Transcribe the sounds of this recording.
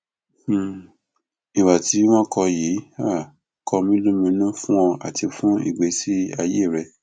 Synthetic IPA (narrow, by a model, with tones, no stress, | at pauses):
i˨wa˨ti˨˦w̃ɔ̃˦kɔ˧ji˨˦a˦˨ | kʰɔ˧mĩ˦lo˦mĩ˧˦nũ˦fũ˦ɔ̃˧a̰˨ti˧fũ˦ḭ˨ɡ͡be˨˦si˦a˧je˦˨ɾɛ˧